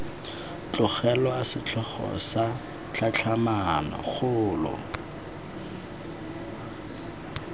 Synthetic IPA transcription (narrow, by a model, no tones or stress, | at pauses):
t͡ɬʼʊχɛlɔasɪt͡ɬʰɔχɔ̰sa | t͡ɬʰat͡ɬʰamanɔ̰χʊːlɔ̰